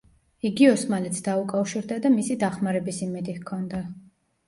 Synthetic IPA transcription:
iɡiɔsmalɛt̪sʰd̪aukʼafʃiɾd̪ad̪amisid̪aχmaɾɛbisimɛd̪ikʰɔnd̪a

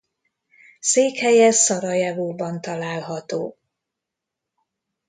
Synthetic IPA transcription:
seːkhɛjɛsɒɾɒjavuːbɒnt̪ɒlaːlɦɒt̪oː

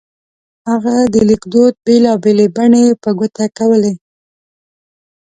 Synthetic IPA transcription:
haɣad̪əlɪkd̪od̪̚belɑbelebaɳepəɡʊt̪akawəle

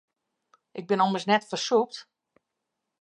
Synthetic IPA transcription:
ʔɪɡ̚bɪnɔməsnɛtfərsuk̚t

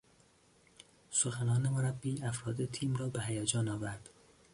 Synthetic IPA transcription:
soxænɒːnemoɾæbːiːæfɾɒːd̪et̪ʰiːmrɒːbeɦæjæd͡ʒɒːnɒːvæɾd̪̥

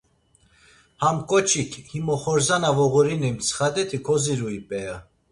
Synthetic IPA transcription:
hamkʼɔt͡ʃʰikʰhimɔχɔɾzanavɔɣuɾinɛmt͡sʰə̥χad̪ɛt̪ʰikʰɔziɾuipʼɛja

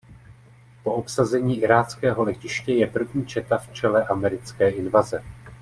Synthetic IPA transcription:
po̞ʔo̞psazɛɲiːʔɪɾaːt͡skɛːɦo̞lɛcɪʃcɛjɛpr̩vɲiːt͡ʃɛt̪aft͡ʃɛlɛʔamɛɾɪt͡skɛːʔɪnvazɛ

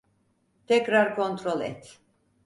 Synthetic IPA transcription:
t̪ʰɛkɾaɾkʰo̞nt̪ʰɾolˠɛ̰t̪ʰ

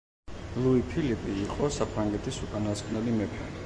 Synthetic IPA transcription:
lˠuipʰilipʼiːqʼɔsapʰɾaŋɡɛt̪ʰisukʼanaskʼvnɛlimɛpʰɛɾi

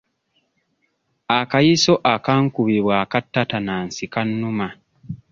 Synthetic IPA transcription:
akajiso̞ʔakaːŋkuβiβwaːkatːatanaːnsikanːuma

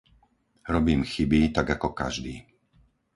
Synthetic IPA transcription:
ɾɔbiːmxibit̪aɡakɔka̰ʒd̪ḭː

